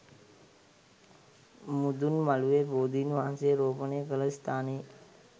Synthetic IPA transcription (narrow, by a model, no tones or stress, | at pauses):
mud̪unmaluʋeboːd̪iːnʋaɦanseːɾoːpənejkələst̪ʰaːne